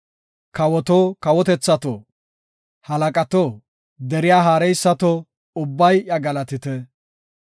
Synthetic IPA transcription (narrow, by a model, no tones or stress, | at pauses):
kɐwɔt̪oːkɐwɔt̪ɛt͡sːɐt̪o̰ː | hɐlɐkʼɐt̪o | d̪ɛɾɪjaːɦaːɾɛjsːɐt̪o | ʊbːɐjɐɡɐlɐt̪ɪt̪ɛ